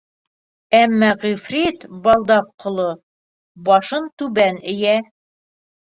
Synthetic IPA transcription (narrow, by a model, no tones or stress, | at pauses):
æmːɑʁifrʲit̪bɑlˠd̪ɑpqŏlˠo | bɑʃɤnt̪ʉbænɘ̆jæ